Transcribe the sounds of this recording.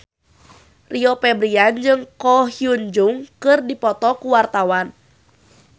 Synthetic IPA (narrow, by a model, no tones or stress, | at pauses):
riɔpɛbɾiand͡ʒɨŋkɔhiuɲd͡ʒuŋkɨrdipɔt̪ɔkuwart̪awan